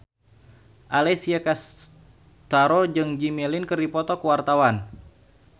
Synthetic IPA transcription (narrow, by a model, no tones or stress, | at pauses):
ʔalɛsiakas | t̪aɾod͡ʒɨŋd͡ʒimɛlinkɨrdipɔt̪ɔkuwart̪awan